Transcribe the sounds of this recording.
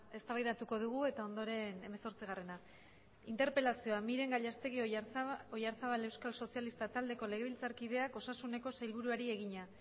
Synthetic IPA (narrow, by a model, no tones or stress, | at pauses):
e̞st̪aβajðat̪uko̞ðuɣ̞ue̞t̪ao̞nd̪o̞ɾe̞ne̞me̞so̞ɾt͡siɣ̞are̞na | int̪e̞ɾpe̞lasio̞amiɾe̞ŋɡaʎast̪e̞ɣioojaɾθaβale̞wskalso̞sialist̪at̪ald̪e̞ko̞leɣe̞β̞ilt͡saɾkið̞e̞ako̞sasune̞ko̞sajlβuɾuaɾie̞ɣiɲa